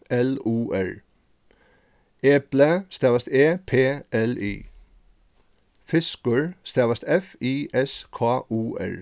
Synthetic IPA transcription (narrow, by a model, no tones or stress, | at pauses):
ɛluːʔɛɹ | ɛːpləst̪eːʋɑst̪eːpʰeːʔɛlḭː | fɪskəɹst̪eːʋɑst̪ɛfiːʔɛskʰɑːʔuːʔɛ̰ɹ